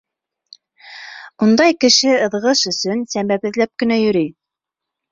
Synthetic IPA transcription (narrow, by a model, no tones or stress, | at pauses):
und̪ɑjkɘ̆ʃɘɤ̆ðʁɤʃɵ̆sɵnsæmbæβɘ̆ðlæp̚kɘ̆næjɵ̆ɾij